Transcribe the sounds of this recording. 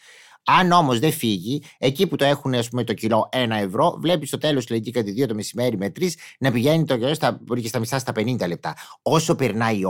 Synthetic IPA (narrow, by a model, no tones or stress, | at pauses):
ɐno̞mo̞zðe̞fiʝie̞ciput̪o̞e̞xuneɐspume̞t̪o̞cilo̞ʔe̞nɐe̞vɾo̞vle̞pist̪ot̪e̞lo̞st̪leɲɟikɐt̪iðio̞t̪o̞me̞sime̞ɾimet̪ɾisnɐpiʝe̞nit̪oost̪ɐɾiçest̪ɐmist̪ɐst̪ɐpe̞nind̪ɐle̞p̚t̪ɐo̞so̞peɾnɐi